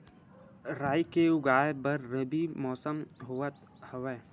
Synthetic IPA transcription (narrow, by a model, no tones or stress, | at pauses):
ɾaːjkeʊɡaːebəɾːəbimɔːsəmɦuət̪ | hɐʋeː